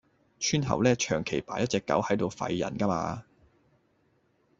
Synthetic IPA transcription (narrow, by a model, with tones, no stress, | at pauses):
t͡ʃʰyː˥nɦɐ̰˨˩wlɛː˥t͡ʃʰœː˨˩ŋkʰe˨˩jpa̰ː˨˥jɐ˥t̚t͡sɛː˧kːɐ̰˨˥whɐ˨˥jt̪o˨˧wfɐ̰˧jːɐ̰˨˩nkɐ˥ma̰ː˧